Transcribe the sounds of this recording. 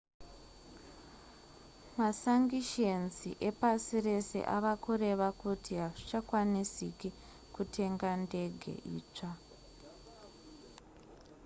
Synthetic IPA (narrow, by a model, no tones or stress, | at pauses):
masaŋɡiʃe̞nzḭʔe̞pasire̞se̞̰ʔa̰ʋakuɾe̞ʋakutiɦaʐit͡ʃakwanisiki | kutʰe̞ŋɡande̞ɡʱe̞̰ʔḭːt͡ʂa